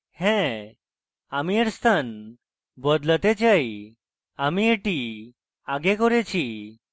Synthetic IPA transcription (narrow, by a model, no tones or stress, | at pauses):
hɛ̃ | amieɽst̪an | bɔd̪lət̪et͡ɕaj | amieʈi | aɡɛkɔɾet͡ɕʰi